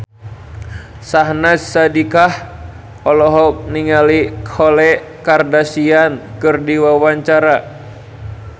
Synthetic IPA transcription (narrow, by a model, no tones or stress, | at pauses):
saɦnasːadikah | ɔlɔɦɔk̚niŋalikʰɔlɛ | kardasiankɨrdiwawaɲt͡ʃaɾa